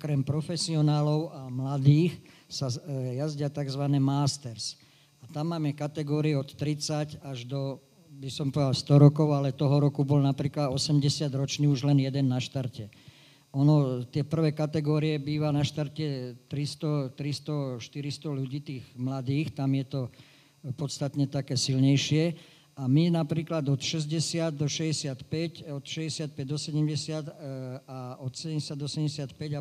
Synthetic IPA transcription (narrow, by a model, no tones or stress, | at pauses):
ɔkɾɛmpɾɔfɛsiɔnaːlɔʊamlad̪iːxsajazɟɪat̪aɡzʋanɛːmaːst̪ɛɾs | at̪amːaːmɛkat̪ɛɡɔːɾiɛɔt̪ːɾit͡sacaʒd̪ɔ | bisɔmpɔʋɛd̪alst̪ɔɾɔkɔʊalɛt̪ɔɦɔɾɔkubɔlnapɾiːklad̪ɔsɛmɟɛsɪad̪ɾɔt͡ʃniːuʒlɛnjɛd̪ɛnːaʃt̪aɾcɛ | ɔnɔt̪ɪɛpr̩ʋɛːkat̪ɛɡɔːɾiɛbiːʋanaʃt̪aɾcɛt̪ɾist̪ɔt̪ɾist̪ɔʃt̪iɾist̪ɔluɟiːt̪iːɣmlad̪iːxt̪amjɛt̪ɔ | pɔt̪st̪at̪ɲɛt̪akɛːsilɲɛjʃɪɛ | aminapɾiːklad̪ɔt̪ʃɛzɟɛsɪad̪̚dɔʃɛɟɛsɪat̪pɛcɔt̪ʃɛzɟɛsɪat̪̚pɛɟ̚d̪ɔsɛɟɛmɟɛsɪad̪aɔt̪sɛɛɛsɪad̪ɔsɛmɟɛsɪat̪pɛɟa